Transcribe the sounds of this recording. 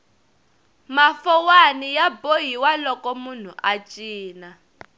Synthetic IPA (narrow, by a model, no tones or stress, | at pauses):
mafɔwanijaboɦiwalɔkɔmun̤uʔat͡ʃʼiːna